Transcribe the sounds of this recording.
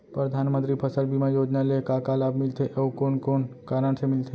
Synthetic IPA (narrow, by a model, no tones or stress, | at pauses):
pɾəd̪ʱaːnmə̃nt̪ɾipʰəsəlbʱimajoːd͡ʒnalekaːkaːlaːbmɪlt̪ʰeʔoːkoːnkoːnkaːɾəɳsemɪlt̪ʰe